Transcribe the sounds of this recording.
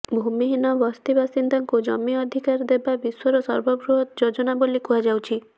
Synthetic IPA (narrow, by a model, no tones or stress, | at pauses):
bʱumiɦinɔbɔst̪ibasind̪ɔŋkud͡ʒɔ̰miɔd̪ʱikaɾd̪ebabiswɔɾɔsɔɾbɔɡɾuɦɔt̪d͡ʒod͡ʒɔnabolikuɦad͡ʒawt͡ʃʰi